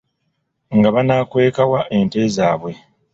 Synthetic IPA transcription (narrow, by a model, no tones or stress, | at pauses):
ŋɡaβanaːkwe̞ːkawaʔe̞nte̞zaːβwe̞